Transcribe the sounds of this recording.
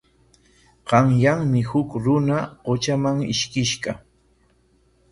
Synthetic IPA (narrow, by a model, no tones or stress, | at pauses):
ɢɑŋjaŋmɪhʊkɾʊnaɢot͡ʃamaŋɪ̰ʃkɪʃɢɑ